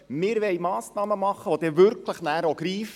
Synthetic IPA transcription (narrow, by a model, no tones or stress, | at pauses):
mɪːɾʋɛjmɑːsnɑːməmɑχːəʋod̪eʋʏɾkʰləχnæːɾoɡɾiːf